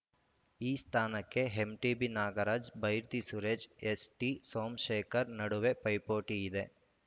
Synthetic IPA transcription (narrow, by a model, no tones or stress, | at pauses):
iːst̪ʰaːnɐkːeɦemʈibinaːɡɐɾɐd͡ʒbɐjɾt̪isuːɾed͡ʒesʈisoːmʃeːkɐɾnɐɽuʋepɐjpoːʈiɪd̪eː